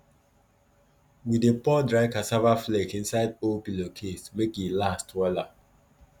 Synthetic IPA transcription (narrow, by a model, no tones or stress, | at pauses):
widepɔdɹaɪkasavaflekĩnsaɪdopilokʰesmekilastwɛla